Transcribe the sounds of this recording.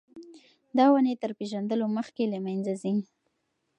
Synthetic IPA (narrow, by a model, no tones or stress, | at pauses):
d̪ɑwənet̪əɾpeʒand̪əloməxkelamajnzazi